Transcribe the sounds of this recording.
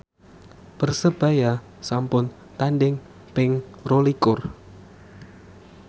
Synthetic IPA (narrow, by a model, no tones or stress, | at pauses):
pərsəb̥a̤ja | sampʊn | t̪aɳɖɪŋ | pɪŋrolikʊr